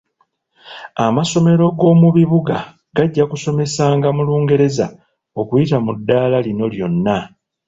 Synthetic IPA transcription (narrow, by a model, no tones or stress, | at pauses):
amaso̞me̞ɾo̞ɡo̞ːmuβiβuɡa | ɡaɟːakuso̞me̞saːŋɡamuluːŋɡe̞ɾe̞za | o̞kujitamudːaːlalino̞ljo̞nːa